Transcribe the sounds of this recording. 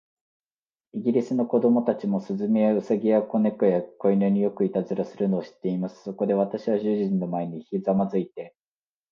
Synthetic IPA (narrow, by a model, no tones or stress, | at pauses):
iɡʲiɾʲisɨno̞ko̞d̪o̞mo̞t̪at͡ɕimo̞sɨzɨmejaɯ̟saɡʲiako̞ne̞kojako̞inɯɲ̟ijo̞kɯ̟it̪azɨɾasɨɾɯ̟no̞ːɕi̥t̪ːe̞imasɨ̥so̞ko̞d̪e̞βat̪aɕiβaʑɨʑĩnːo̞mae̞ɲ̟içizamazɨit̪e̞